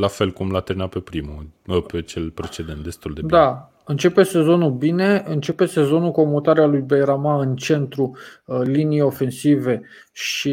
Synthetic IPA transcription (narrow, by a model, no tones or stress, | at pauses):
lafe̞lkumlat̪eminat̪pe̞pɾimupet͡ʃe̞lpɾe̞t͡ʃe̞d̪ent̪̚d̪est̪uld̪ed̪a | ɨnt͡ʃe̞pe̞se̞zo̞nulbine̞ɨnt͡ʃe̞pe̞se̞zo̞nuko̞mot̪aɾealujbejɾamaɨnt͡ʃe̞nt̪ɾulinijo̞fe̞nsive̞ | ʃi